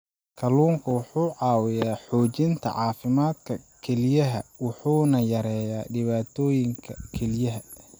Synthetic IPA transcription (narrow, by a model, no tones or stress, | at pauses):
kʰɐluːŋkʰɐwʊħuːʕɑːwɪjaːħɔːt͡ʃɪnt̪ʰɐ̰ʕɑːfɪmaːd̪kʰɐkʰɛlɪjɐɦɐwʊħuːnɐjɐɾɛːjaːɖɪβaːt̪ʰɔːjɪŋkʰɐkʰɛlɪjɐɦɐ